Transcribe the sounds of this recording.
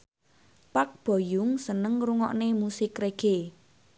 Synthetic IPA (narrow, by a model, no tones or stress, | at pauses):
pak̚b̥ɔ̤jʊŋsənəŋruŋɔ̰ʔnemusɪkreɡ̥e